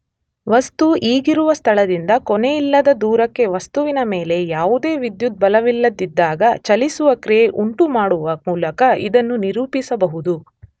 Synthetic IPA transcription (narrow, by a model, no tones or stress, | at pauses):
ʋɐst̪uʔiːɡiɾuʋɐst̪ʰɐɭɐd̪ind̪ɐkɔnejilːɐd̪ɐd̪uːɾɐkːe̞ʋɐst̪uʋinɐmeːle̞jaːʋud̪e̞ːʋid̪jut̪̚bɐlɐʋilːɐd̪id̪ːaːɡɐt͡ʃɐlisuʋɐkɾijeʔuɳʈumaːɽuʋɐmuːlɐkɐḭd̪ɐnːuniɾuːpisɐbɐɦud̪u